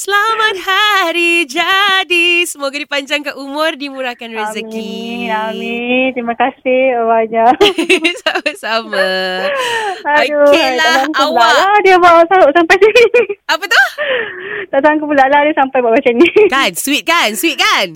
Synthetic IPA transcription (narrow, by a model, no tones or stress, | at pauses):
səlamat̪̚haɾid͡ʒadisəmoɡadipaɲd͡ʒaŋkaʔumʊ̃rdimuɾakanɾazəkiamit̪ɾimakasɪhawaɲasabasama | aajudlaaʔaŋkulaaʔladiabaʔsaʊʔsampajsiapət̪uh | d̪aʔt̪aŋkubulaʔladiəsampajbaʔbat͡ʃanikanswit̪̚kanswit̪̚kan